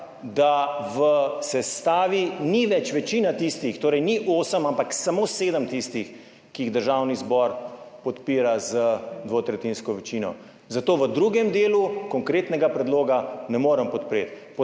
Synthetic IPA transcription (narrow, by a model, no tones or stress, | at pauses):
d̪aʋəsɛst̪aːʋiniʋɛt͡ʃʋɛt͡ʃiːnat̪ist̪ixt̪oːɾɛjniʔoːsəmampaksamoːseːd̪əmt̪ist̪ix | kiiɣd̪əɾʒawnizbɔɾpɔt̪piːɾazəd̪ʋot̪ɾɛt̪inskɔʋɛt͡ʃinɔ̰ | zat̪oːʋəd̪ɾuɡɛmd̪eːlukɔŋkɾeːt̪nɛɡapɾɛd̪loːɡanɛmoːɾəmpɔt̪pɾet̪ | pɔ